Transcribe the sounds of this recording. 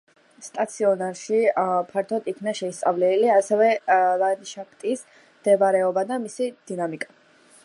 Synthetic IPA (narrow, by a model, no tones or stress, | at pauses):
st̪ʼat̪sʰiɔnaɾʃipʰaɾt̪ʰɔd̪ikʰnaʃɛist̪sʼavlɛliasɛvɛlanʃakʰt̪ʼis | md̪̥ɛbaɾɛɔbad̪amisid̪̥inamikʼḁ